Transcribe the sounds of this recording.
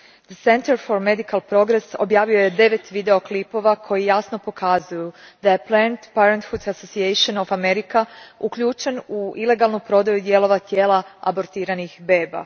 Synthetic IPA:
d̪əse̞nt̪eɾfo̞ɾme̞d̪ikalˠpɾo̞ɡɾeso̞̰bjaːʋio̞je̞d̪e̞ʋe̞t̪ʋid̪e̞o̞klipo̞ʋakʰo̞jijasno̞po̞kʰazujud̪ajeplɛnt̪paɾent̪fut̪asosieʃonofame̞ɾikaukʎuːt͡ʃenuile̞ɡalˠnupɾo̞d̪ajud̪je̞lo̞ʋat̪je̞ːlˠaa̰bo̞ɾt̪iːɾanixbe̞ːba̰

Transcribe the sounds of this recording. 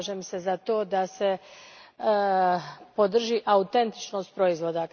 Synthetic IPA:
ʒeːmse̞zat̪o̞ːd̪ase̞ | pod̪r̩ʒiʔaut̪e̞nt̪i̥t͡ʃno̞st̪pɾo̞izʋo̞ːd̪a

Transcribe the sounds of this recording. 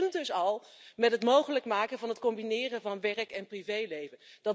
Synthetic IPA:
ndɵsɑlˠmɛtɦətmowχələkmaːkənvɑnɦətkɔmbinɪːrənvɑnʋɛrkɛnprivejlejvənd̥ɑ

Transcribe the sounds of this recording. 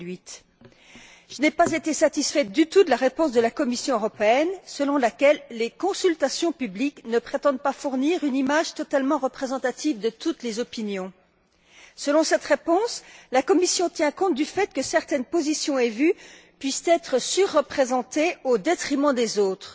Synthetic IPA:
ɥit̪ | ʒ̥ənɛpazet̪esat̪isfɛt̪̚d̪yt̪ud̪əlaʁepɔ̃s̬d̪əlakɔmisjɔ̃øʁɔpeɛnsəlɔ̃lakʲɛlːekɔ̃sylt̪asjɔ̃pybliknəpχet̪ɑ̃d̪̚pafuʁniʁynimaʒt̪ɔt̪almɑ̃ʁəpχezɑ̃t̪at̪ivd̪ət̪ut̪lezɔpinjɔ̃ | səlɔ̃sɛt̪ʁepɔ̃slakɔmisjɔ̃t̪jɛ̃kɔ̃t̪̚d̪yfɛt̪̚kəsɛʁt̪ɛnpozisjɔ̃evy | pɥist̪ɛt̪χəsyʁːəpχezɑ̃t̪eod̪et̪χimɑ̃d̪ezoːt̪χ

